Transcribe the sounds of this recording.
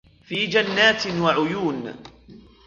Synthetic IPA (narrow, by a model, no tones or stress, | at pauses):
fiːd͡ʒanːaːt̪waʕʊjuːn